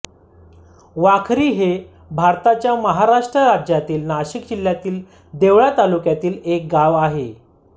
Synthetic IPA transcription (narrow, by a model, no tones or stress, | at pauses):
ʋakʰɾiːɦe | bʱaɾt̪at͡ɕjaməɦaɾaʂʈɾəɾad͡ʑjat̪iːlnaɕikd͡ʑiljat̪iːl | d̪eʋɭat̪alukjat̪iːlek̚ɡaʋaɦe